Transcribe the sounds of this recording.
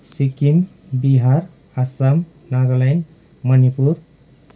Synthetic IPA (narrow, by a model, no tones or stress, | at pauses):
sikim | biɦaɾ | asam | naɡlajn | mʌnipuɾ